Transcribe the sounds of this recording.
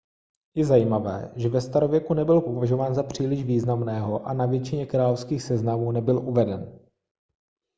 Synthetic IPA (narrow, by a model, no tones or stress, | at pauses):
jɛzajiːmavɛ̰ːʒɛvɛst̪aɾo̞vjɛkunɛbɪlpo̞vaʒo̞vaːnzapr̝̥iːlɪʒviːznamnɛːɦo̞ʔanavjɛt͡ʃɪɲɛkɾaːlofskiːxsɛznamuːnɛbɪlʔuvɛdɛn